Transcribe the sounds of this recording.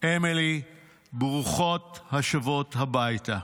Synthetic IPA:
ʔemili | bʁuχot̪haʃavot̪habajta

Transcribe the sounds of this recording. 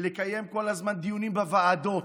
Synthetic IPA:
lekaje̞mko̞lazmand̪ijunimbevaːd̪o̞t

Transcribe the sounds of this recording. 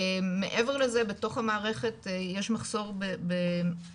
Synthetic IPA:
mḛʔeve̞ʁlezebeto̞χhamaːʁeχe̞tjeʃmaχso̞ʁbebe

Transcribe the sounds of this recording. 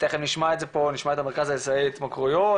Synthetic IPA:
t̪eχemniʃmaezeponiʃmaetameʁkazajesaet̪makʁujo

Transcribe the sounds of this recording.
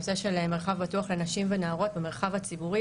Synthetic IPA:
se̞ʃe̞lemːeʁχavbatuaχle̞naʃimvenaːʁo̞t̪̚beme̞ʁχavhat͡sibuʁi

